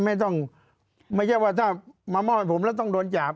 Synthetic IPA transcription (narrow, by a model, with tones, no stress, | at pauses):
ma˥˩jt̪ɔ˥˩ŋ | ma˥˩jt͡ɕʰa˥˩jwaː˧˩t̪ʰaː˥˩maː˧mɔː˧˥˩pʰo˩˦mlɛ˦˥˩wt̪ɔ˥˩ŋdoː˧nt͡ɕaː˨˩p̚